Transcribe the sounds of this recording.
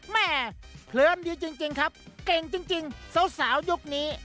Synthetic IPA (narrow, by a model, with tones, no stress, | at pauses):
mɛː˥˩pʰlɯ˧əndiː˧t͡ɕi˧ŋt͡ɕi˧ŋkʰa˦˥p̚ke˧ŋt͡ɕi˧ŋt͡ɕi˧ŋsa˨˦wsaː˩˦wju˦˥k̚niː˦˥